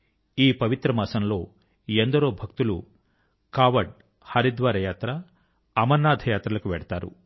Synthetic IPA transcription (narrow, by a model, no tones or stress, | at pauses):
iːpɐʋit̪ɾɐmɐːsɐmlo̞ː | end̪ɐɾoːbʱɐk̚t̪ulṵ | kaːʋɐɖ | hɐɾid̪ʋaːɾɐjaːt̪ɾɐ | ɐmɐɾnaːd̪ʱɐjaːt̪ɾɐlɐkuʋɛɽɐt̪aːɾṵ